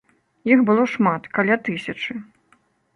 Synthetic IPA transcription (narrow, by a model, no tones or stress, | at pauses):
jixbɨlˠɔʂmat̪kalʲat̪ɨsʲɐt͡ʂɨ